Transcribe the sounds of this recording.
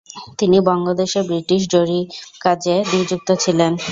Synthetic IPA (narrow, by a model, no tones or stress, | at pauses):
t̪inibɔŋlad̪eʃebɾiʈiʃ̬ɖoɾikad͡ʑenid͡ʑuk̚t̪ot͡ɕʰilen